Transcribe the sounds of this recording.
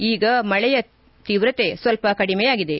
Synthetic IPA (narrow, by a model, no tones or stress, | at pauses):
iːɡɐmɐɭɛjɐ | t̪iːʋɾɐt̪esʋɐlpɐkɐɽimɛjaːɡid̪e̞